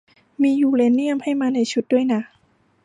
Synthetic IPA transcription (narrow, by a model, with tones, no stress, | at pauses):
miː˧juː˨˩le˧˥nːi˥˩əmha˥˩jmaː˧na˧jt͡ɕʰu˦˥t̪̚du˥˩əjna˦˥